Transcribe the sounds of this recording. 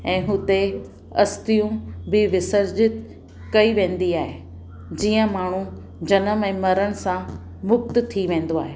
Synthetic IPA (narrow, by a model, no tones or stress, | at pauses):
ɛ̃ːɦʊt̪e | ɐst̪ijũbɪʋɪsəɾd͡ʑɪt̪ | kɐiʋẽːn̆d̪iaːɦe | d͡ʑiːə̃maːɳ̤ũ | d͡ʑɐnəmɛ̃ːmɐɾəɽ̃ɪ̆sã | mʊk̚t̪t̪ʰiʋẽːn̆d̪oaːɦeː